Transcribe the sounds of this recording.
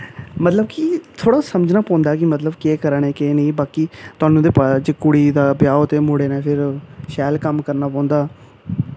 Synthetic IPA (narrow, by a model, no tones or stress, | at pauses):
mət̪ləbkit̪ʰoːɽaːsəməd͡ʒnaːpɔ̃ːnd̪aːkɪmət̪ləbkeːkəɾəɳeːkeːnĩːbaːkit̪ʊaːnũːd̪eːpad͡ʒeːkʊɽiːd̪aːbjaːot̪eːmʊɽeːnẽːpʰɪɾʃɛːlkəmkəɾnaːp̬ɔ̃ːnd̪aː